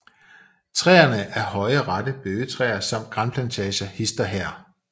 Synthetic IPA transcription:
t͡sʰʁɛ̰ːɐnəʔæɐhɒ̽ɪəʁɑ̈d̥əb̥øːət͡sʰʁɛ̰ːɐsɑ̈m̰d̥̚ɡ̥ʁɑ̈npʰlænt͡sʰɛːɕɐhisd̥ɐɦɛɐ̰

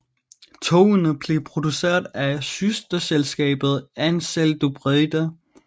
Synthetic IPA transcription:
t͡sʰo̝ːnəb̥le̝pʰʁo̝d̥use̝̰ːɐ̰ðˠæsysd̥ɐselsɡ̥ɛ̰ːb̥ð̞̩ˠænseld̥ub̥ʁɛd̥ɐ

